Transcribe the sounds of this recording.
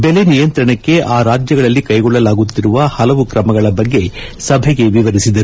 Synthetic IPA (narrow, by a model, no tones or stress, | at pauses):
bɛle̞nijɐnt̪ɾɐɳɐkːe̞ʔaːɾaːd͡ʒjɐɡɐɭɐlːikɐjɡɔɭːɐlaːɡut̪ːiɾuʋɐhɐlɐʋukɾɐmɐɡɐɭɐbɐɡːe̞sɐbʱɛɡe̞ʋiʋɐɾisid̪ɐɾu